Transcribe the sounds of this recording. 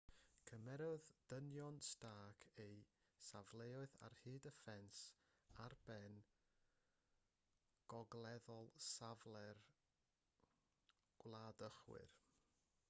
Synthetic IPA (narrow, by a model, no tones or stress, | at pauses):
kʰəmɛɾɔðd̥ənjɔnstaːkʰej | savlˠeɔɨða̰rhɨːdəfɛns | arb̥ɛn | ɡ̥ɔɡlˠɛðɔlˠsavlˠɛr | ɡ̥wlˠadəχwɪ̰r